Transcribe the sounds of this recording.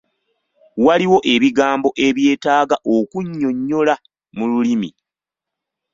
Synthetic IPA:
waliwo̞ʔe̞βiɡaːmbo̞ʔe̞βje̞ːtaːɡaʔokuɲːo̞ɲːo̞la | mululimi

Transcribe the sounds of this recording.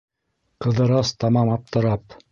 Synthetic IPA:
qɤ̆ðɤ̆ɾɑst̪ɑmɑmɑp̚t̪ɤ̆ɾɑp

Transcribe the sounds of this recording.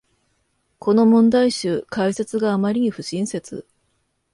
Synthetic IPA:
kʰo̞no̞mõ̞nd̪aiɕɨːkaise̞t͡sɨɡaːmaɾʲiɲ̟iɸɯ̟ɕĩɰ̃se̞t͡sɨ̰

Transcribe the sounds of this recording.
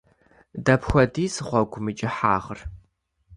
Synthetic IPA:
dɐpxʷɔdiːsɨχʷɔɡʷʊmɨt͡ʃʼɪħa̰ːʁər

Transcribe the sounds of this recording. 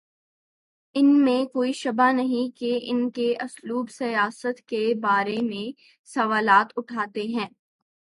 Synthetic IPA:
ɪnmẽkoːiʃɐbanɐɦĩkeʔɪnkeʔɐsluːbsɐjaːsət̪kebaːɾemẽ | sɐʋaːlaːt̪ʊʈʰaːt̪eɦɛ̃ː

